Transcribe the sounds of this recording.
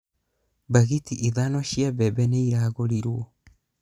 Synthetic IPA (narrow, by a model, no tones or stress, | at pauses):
baɡitiʔiðanosiabebenejɾaɡoɾiɾuo